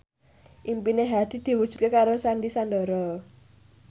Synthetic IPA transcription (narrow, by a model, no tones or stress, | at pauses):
ʔimpineɦad̪̥i̤d̪̥i̤wud̥ʒ̥ṳ̥t̪̚kekaɾosand̪isand̪ɔ̤ɾɔ